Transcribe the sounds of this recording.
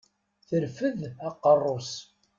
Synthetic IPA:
θəɾfəðæqːərˤːos

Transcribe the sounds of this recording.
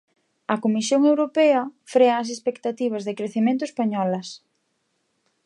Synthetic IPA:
ɐkomisjoŋewɾopɛɐfɾeɐːs̬espekt̪at̪iβ̞ɐzðɪkɾeθimẽnt̪ʊespaɲɔlɐs

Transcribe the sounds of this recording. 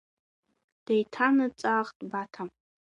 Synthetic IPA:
d̥ejtʰanɨt͡sʼaːχtʼbatʰam

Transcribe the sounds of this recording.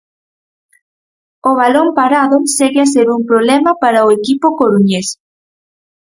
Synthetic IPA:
oβ̞alompaɾaðʊseɣeas̬eɾumpɾoβlɛmɐpaɾaoekipʊkoɾuɲes

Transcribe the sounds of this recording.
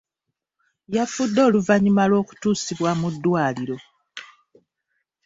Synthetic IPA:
jafudːo̞ːluvaɲimalo̞ːku̥tuːsiβwamudːwaːliɾo̞

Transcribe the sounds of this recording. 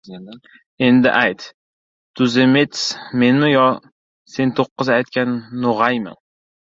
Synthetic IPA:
end̪ɪ̰ʔajt̪ | t̪ʰʊzemet̪smenʊjɒ | se̞nt̪ʰoqːɨzajt̪̚kʲanːoʁajma̰n

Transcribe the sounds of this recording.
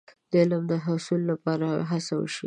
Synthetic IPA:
d̪̥əɪləmd̪əɦʊsulːapɑɾaɦasawə̰ʃḭ

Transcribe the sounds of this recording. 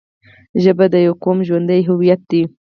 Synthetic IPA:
ʒəbad̪əjawkomʒwand̪əjɦʊwijat̪̚d̪i

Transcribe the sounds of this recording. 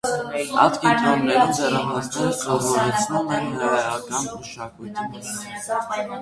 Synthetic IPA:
ɑ̰t̪kint̪ʰɔnːɛɾumzɛrɑmɔtnɛɾt͡sʰɔʁvɔɾɛt͡sʰnumɛnɦəɾɛɑkɑnməʃɑkujt̪ʰimit͡s

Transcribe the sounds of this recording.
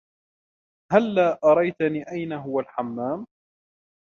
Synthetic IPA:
halːaːʔɑɾˤɑjt̪aniːʔajnaɦʊwalħamːaːm

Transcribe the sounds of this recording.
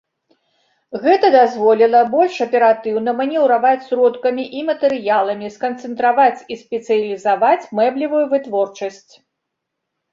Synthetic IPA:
ɣɛt̪ɐd̪azvɔlʲilˠɐbɔlʲʂɐpʲɛɾat̪ɨwnɐmɐnʲɛwɾavat͡sʲsɾɔt̪kɐmʲiʔimɐt̪ɛɾɨjalˠɐmʲiskɐnt̪sɨnt̪ɾavat͡sʲispʲɛt̪sɨjɐlʲizavat͡sʲmɛblʲivujuvɨt̪vɔrt͡ʂɐsʲt͡sʲ

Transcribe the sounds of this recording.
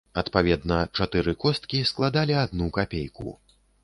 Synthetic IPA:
ɐt̪pavʲɛd̪nɐt͡ʂat̪ɨɾɨkɔst̪kʲisklˠad̪alʲiad̪nukapʲejkṵ

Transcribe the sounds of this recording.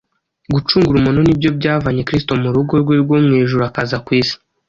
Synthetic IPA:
ɡut͡ʃuːŋɡuɾumunonibjo̞bɟaːvaɲe̞kɾisto̞muɾuɡo̞ɾɡweɾɡwomŋeːʒuɾuakazakwiːsi̥

